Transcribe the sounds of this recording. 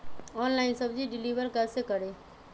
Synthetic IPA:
ɔːnlaːɪnsɐbd͡ʒiɖɪliːʋəɾkɛːsekəɽeː

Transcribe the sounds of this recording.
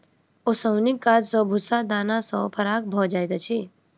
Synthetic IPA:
osəwnikːaːd͡ʒsɔ̃bʱʊsad̪aːnasɔ̰pʰɐɾaːk̚bʱɔd͡ʒaːjt̪at͡ʃʰi

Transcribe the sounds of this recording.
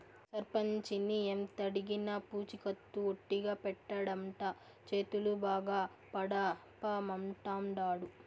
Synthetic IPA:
sɐɾpɐɲt͡ʃiniemt̪ɐɽiɡinɐpuːt͡ʃikɐt̪ːuoʈːiɡaːpɛʈːɐɽɐmʈaː | t͡ʃe̞ːt̪ulubaːɡaː | pɐɽɐ | paːmɐmʈaːmɖaːɽu

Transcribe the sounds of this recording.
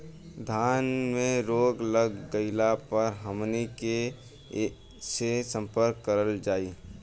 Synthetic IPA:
d̪ʱaːnmẽɾoːɡləɡːəɪlapəɾɦəmnike | sesə̃mpəɾkːəɾəld͡ʒaːiː

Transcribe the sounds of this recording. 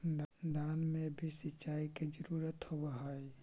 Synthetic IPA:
d̪d̪aːnmẽbʱisɪt͡ʃaːiked͡ʒəɾuːɾət̪hobaɦai

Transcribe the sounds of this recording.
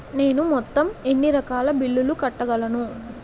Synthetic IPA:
ne̞ːnumɔt̪ːɐme̞nːiɾɐkaːlɐbilːulukɐʈːɐɡɐlɐnu

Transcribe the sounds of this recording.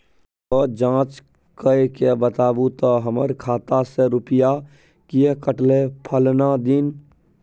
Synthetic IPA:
ɔd͡ʒãːt͡ʃ | kəekebət̪aːbut̪ɔɦəməɾkʰaːt̪aseɾʊpja | kijekəʈlepʰəlnad̪in

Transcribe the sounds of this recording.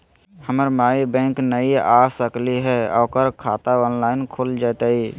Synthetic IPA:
həməɾmaːibɛ̃ːŋknəiaːsəkliɦɛɔ̰ːkəɾkʰaːt̪aɔːnlaːɪnkʰold͡ʒaːt̪aiː

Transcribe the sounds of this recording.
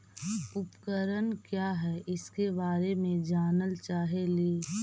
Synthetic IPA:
ʊpkəɾənkjaːɦɛːʔɪskebaːɾemẽd͡ʒaːnəlt͡ʃaːɦeliː

